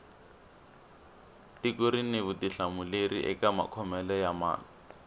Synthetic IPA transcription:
tikʊɾinɪβʊtiɬamʊlerḭʔɛ̰kama̰kʰɔmɛlɔjama̰ːlɔ

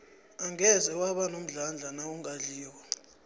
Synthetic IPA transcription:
aŋɛzɛwaɓanom̩ɮand͡ɮʱanauŋaɮiːwɔ

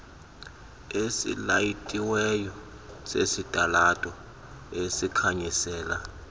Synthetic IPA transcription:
esḭlajitʼiwɛjɔ | sḛsitʼalatʼɔ | esikʰaɲisɛːla

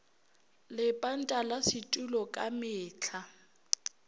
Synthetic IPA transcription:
lɪpʼan̩tʼalasitʼulɔkʼamɪːt͡ɬʰa

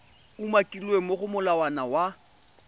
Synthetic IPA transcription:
umakʼilwemoχʊmʊlawanawa

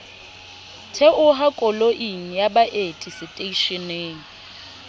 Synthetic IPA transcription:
tʰɛʔʊɦakʼɔloʔiŋ̩jabaʔetʼisɪtʼeiʃɪneːŋ̩

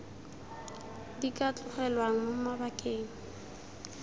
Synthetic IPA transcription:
dikat͡ɬʼʊχɛlwaŋ̩ʊmabakʼeːŋ̩

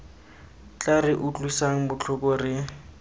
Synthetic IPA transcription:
t͡ɬʼarɪʔʊt͡ɬʼwisaŋ̩bʊt͡ɬʰʊkʼɔrɪ

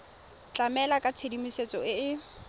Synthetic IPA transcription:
t͡ɬʼamɛlakʼat͡sʰedimiset͡sʼɔɪɪ

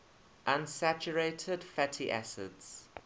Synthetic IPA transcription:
ʔãnsæt͡ʃəɹeɪtʰədfætʰiʔæsɪ̰dz̥

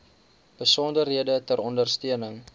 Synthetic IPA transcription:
b̥əsɔndərɦiədətəɾɔndərstiənəŋ

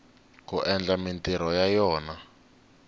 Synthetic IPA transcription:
kuʔɛnd͡ɮamintiɾɔjajɔːna

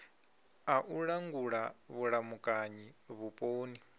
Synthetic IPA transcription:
aʔuɺaŋɡuɺaβuɺamukʼaɲiβupʼoːni

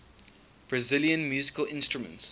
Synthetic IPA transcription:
b̥ɹazɪljə̃nmjuːzɪkəlɪ̃nstɹ̥umə̰̃nts

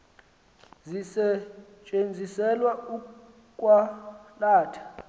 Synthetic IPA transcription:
zisɛt͡ʃʼend͡zʱisɛlwau | kʼwalaːtʰḁ

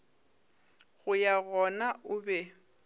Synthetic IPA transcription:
ɣʊjaɣɔnaʊbɛ

